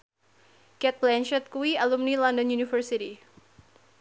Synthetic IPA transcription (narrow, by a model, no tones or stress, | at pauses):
kɛt̪̚blɛnʃɛt̪̚kuwialumnilɔndɔnjunifərsiti